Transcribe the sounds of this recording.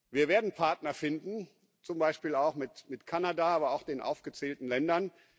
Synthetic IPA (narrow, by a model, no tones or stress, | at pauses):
viːɐveːɐdn̩pʰaɐtnɐfɪndn̩ | t͡sʊmbaɪʃpiːlaʊxmɪtmɪtkʰanadaaːbɐaʊxd̥eːnʔa̰ʊfɡ̥ət͡sɛːltn̩lɛndɐn